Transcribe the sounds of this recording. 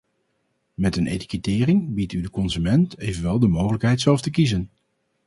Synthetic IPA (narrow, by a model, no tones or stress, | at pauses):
mɛtənʔḛjti̥kətɪːrɪŋbitydəkɔnzymɛntejvənʋɛlˠdəmowχələkɦɛjtsɛlˠftəkizən